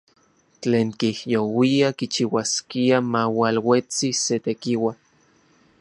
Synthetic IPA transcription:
t͡ɬeːŋkihjowiakit͡ʃiwaskiamawalwet͡siset̪ekiwan

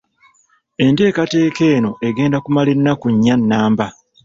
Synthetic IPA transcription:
e̞nte̞ːkate̞ːke̞ːno̞ʔe̞ɡe̞ːndakumalenːakuɲːanːaːmba

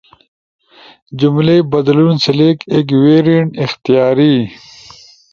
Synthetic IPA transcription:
d͡ʑumlebɐd̪lunsɐleːkek̬weːɾiɳʈɪxt̪ijaːɾi

